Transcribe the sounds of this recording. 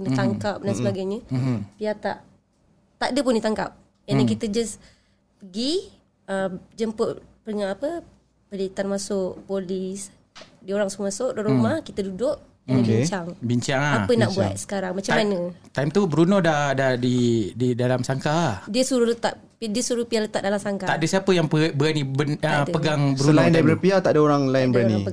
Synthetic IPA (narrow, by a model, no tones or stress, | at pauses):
kənət̪aŋkap̚dansəbaɡajɲəpiat̪aʔ | t̪aʔdəpʊndit̪aŋkap̚ | janakit̪əd͡ʒas | pəɡi | əd͡ʒəmpʊʔpəŋaʔapə | pəlit̪anmasʊʔpolis | dioɾaŋsukəmasʊʔdoʔɾumahkit̪ədudʊʔ | iɲt͡ʃaŋbiɲt͡ʃaŋaapənaʔbua̰t̪̚sə̥kaɾaŋmat͡ʃamanət̪aimt̪ubəɾunɔdadahdididalamsaŋkaahdiəsuɾulət̪aʔ | pdiəsuɾupialət̪aʔ̚dalamsaŋkaaʔdəsiapəjaŋpəbəɾanibənapəɡaŋbəɾuənlindabəɾapiat̪aʔdəoɾaŋlaɪnbəɾanḭ